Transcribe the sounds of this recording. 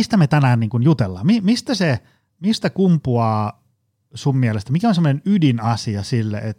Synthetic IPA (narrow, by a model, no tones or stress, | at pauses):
ist̪æmet̪ænæːnniːŋkunjut̪elːɑ̰ːmmimist̪æse | mist̪ækumpuɑː | summiælest̪æmikæonsemːonenydinɑsiɑsilːḛʔet̪ː